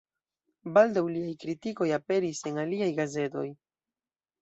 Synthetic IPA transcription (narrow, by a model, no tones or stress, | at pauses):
baldawliajkɾitiko̞jape̞ɾise̞naliajɡaze̞to̞̰j